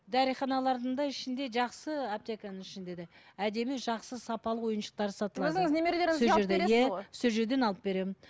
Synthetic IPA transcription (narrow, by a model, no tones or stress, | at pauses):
d̪ʰɑɾijχɑnɑlˠɑɾd̪əɴd̪ɑɪʃɪnd̪e̞ʒɑqsəop̚t̪ʲe̞kanəŋɪʃɪnd̪e̞d̪ɪæd̪e̞mɪʒɑqsəsɑpɑlˠəwo̞jənʃə̥qt̪ɑɾd̪əsɑt̪əlˠɑzɪŋznemeɾleɾɪʒʒeɾd̪ejasɵzʒeɾd̪e̞nɑlˠəp̚be̞ɾe̞mɪn